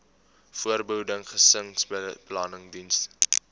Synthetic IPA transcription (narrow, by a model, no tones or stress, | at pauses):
fuərbəɦudəŋχəsəŋsplɑːnəŋdinst